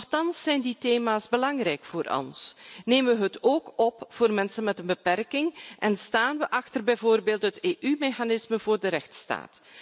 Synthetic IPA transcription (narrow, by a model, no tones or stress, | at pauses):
nɔxtɑnsːɛjnditeːmaːsbəlɑŋrɛjkfoːɾʔɔ̰nsneːmʋəɦətoːkɔpv̥oːrmɛnsənmɛtənbəpɛrkɪŋʔɛnstaːnʋəʔɑxtərbɛjvoːrbeːlˠtɦəteːʔymexanɪsməvoːrdəɾɛxtsta̰ːt